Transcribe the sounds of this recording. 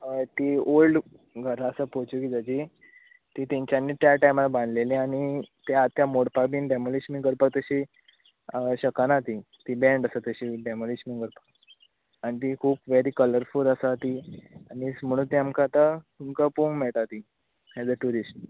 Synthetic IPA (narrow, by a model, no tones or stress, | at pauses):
t̪ioɭɖ | ɡʱəɾaəsəpot͡ɕukid͡zad͡ʑi | t̪iːt̪ĩɲt͡ɕjanːiːt̪jaʈajmalabãnd̪lelẽaɽ̃it̪jat̪jamoɽpabiːnɖɛmolismĩɡəɾpak̚t̪əɕi | ɕəkanat̪i | t̪ibɛ̃ɳɖəsat̪əɕiɖɛmolismiŋɡəɾpḁ | añit̪̬ikʰuːpʋeɾiːkələɾfuləsat̪iañism̤əɽ̃uːnt̪iamkat̪atumkəpuŋmeɭʈ̪at̪i | ɛd͡zəʈuɾisʈ